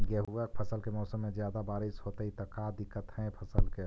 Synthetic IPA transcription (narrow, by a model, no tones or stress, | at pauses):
ɡɛɦuɡəkpʰəsəlkemɔːsəmːẽd͡ʒjaːd̪abaːɾisɦoːt̪əɦit̪əkad̪ɪkːət̪ɦɛ̃pʰəsəlke